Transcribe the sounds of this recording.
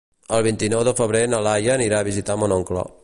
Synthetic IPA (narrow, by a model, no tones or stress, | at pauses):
əlˠβ̞int̪inɔwðəfəβɾenəlajəːniɾaəβizit̪amonɔŋklɔ̰